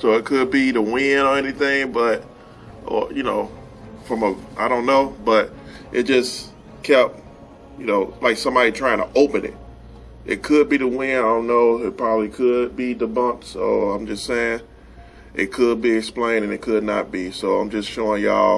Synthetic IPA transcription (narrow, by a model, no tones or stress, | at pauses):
soʊɨt̚kʰɨd̚biðəwɪ̃nə˞ɛniθɪ̃ŋbʌt̚ | ʔə̰jɨnoʊ | fɹʌ̃məaɪɾõʊ̃nːoʊb̥ʌɾʔɨt̚d̥ʒ̥ʌs | kʰɛp̚t̚ | jɨnoʊlaɪksʌ̃mbɑɾitʰɹ̥aɪɪ̃ŋtʰəʔoʊpɨ̃nɪ̰t̚ | ʔɨ̰t̚kʰɨd̚biðəwɪ̃nõʊ̃noʊɪt̚pʰɹ̥ɑbəblikʰɨd̚biðəbʌ̃mpsoʊãɪ̃md͡ʒʌstseɪɪ̃ŋ | ɨt̚kʰɨd̚biɨksplẽɪ̃nɨ̃nɨt̚kʰɨdⁿnə̰t̚b̥isoʊãɪ̃md͡ʒʌstʃoʊɪ̃ŋjɔ̰